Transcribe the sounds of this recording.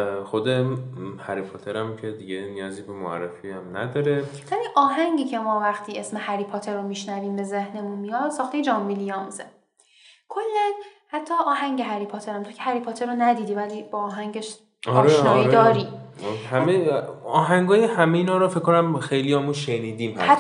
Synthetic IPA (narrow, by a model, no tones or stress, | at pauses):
xod̪ehæɾipʰot̪ʰeɾæmcʰe̞d̪iɟenijɒːziːbemoæ̰rːḛfiæmnæ̰d̪ɒːɾe | væliːʔɒːɦæŋɟiːcʰe̞mɒːvæxt̪ʰiːe̞smehæɾiːpʰot̪ʰeɾːomiʃnæviːmbe̞ze̞hne̞munmijɒd̪sɒːxt̪e̞jed͡ʒɒːmbilijɒːmze | kʰolːæn | hæt̪ʰːɒːʔɒːɦæŋɟeɦæɾipʰot̪ʰeɾæmt̪ʰocʰehæɾipʰot̪ʰeɾonæd̪iːd̪iːvæliːbɒːɦæŋɟeʃ | ɒɒːɾeʃnɒːjiɾd̪ɒːɾiːhæmeɒːɦæŋɡɒːjehæmeiːnɒːɾɔfekkːonæmxejlijɒmuʃeniːd̪iːmhæ̰s